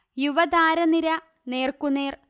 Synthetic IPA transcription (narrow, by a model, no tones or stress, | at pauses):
juʋɐd̪aːɾɐniɾɐ | ne̞ːrkuneːr